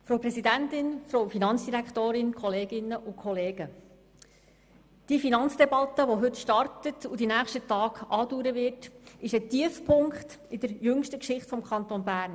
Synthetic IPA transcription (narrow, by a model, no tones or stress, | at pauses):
fɾowpɾɛsidæntɪnfɾowfinɑnt͡sd̥iɾækt̪oːɾɪnkχɔleːɡɪnːəʔʊkʰɔleːɡ̥ə | d̥ifinɑnt͡sd̥ɛbɑtəʋɔɦɵtʃtɑɾtətudinæːχʃtətɑːɡ̥ʔɑːduːɾəʋɪrtɪʃətiəfpʰʊŋkt | ɪd̥əɾjɵŋʃtəkʃɪχtfɔmkʰɑnt̪onbæːɾn